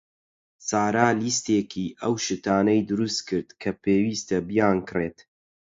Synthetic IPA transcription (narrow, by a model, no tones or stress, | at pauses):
saːɾaːliːst̪eːkʰiːʔɐwʃɨt̪aːnɐjd̪ɨɾust̪kʰɨɾd̪kʰɐpʰeːwiːst̪ɐbijaːnkreːt̪